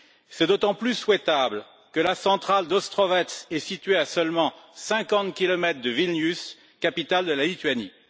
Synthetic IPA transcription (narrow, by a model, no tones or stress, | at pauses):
sɛd̪ot̪ɑ̃plyswɛt̪abl | kəlasɑ̃t̪χald̪ɔst̪χɔvɛt̪sɛsit̪ɥeasœlmɑ̃sɛ̃kɑ̃t̪kʲilɔmɛt̪χd̪əvilnys | kapit̪ald̪əlalit̪ɥani